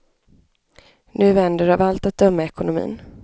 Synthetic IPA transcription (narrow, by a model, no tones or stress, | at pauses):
nʉ̟ːvɛnd̪əɖavalt̪at̪̚d̪œmːaɛkʊnʊmḭːn